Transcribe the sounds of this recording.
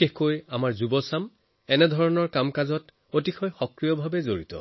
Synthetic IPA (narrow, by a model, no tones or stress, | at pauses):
exkojamaɹzubɔsam | ɛnɛdʱɔɹɔnɔɹkamkazɔt | ot̬ixʰɔjxɔkɹijɔbʱabɛzoɹḭtɔ̰